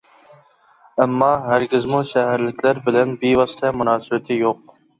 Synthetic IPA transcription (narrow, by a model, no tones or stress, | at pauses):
ɐmːɑːɦɐɾɡɪzmũʃaɦəɾlɪkʲlɐɾbɪlɐnbiːʋɑst̪ʰɛːmʊnɑːsɪbɐt̪ʰiːjoq̚